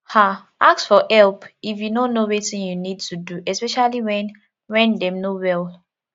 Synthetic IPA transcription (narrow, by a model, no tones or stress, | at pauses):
ha | aksfɔʔɛlpifjunonowetĩnjunid̚tʰuduʔɛspɛʃaliwɛ̃n | wɛ̃ndɛ̃mnowɛl